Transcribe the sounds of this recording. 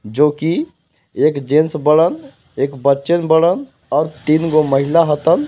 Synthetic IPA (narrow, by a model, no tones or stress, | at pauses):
d͡ʒoːki | eːkd͡ʒẽnsbəɽən | eːkbətːt͡ʃənbəɽən | ɔːɾt̪iːnɡoməɦɪlaɦət̪ən